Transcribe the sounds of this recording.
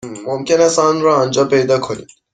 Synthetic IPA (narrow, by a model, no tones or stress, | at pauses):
momkʲenæsɑnɾɔːnd͡ʒɒːpejd̪ɑkʰonḭd̪̥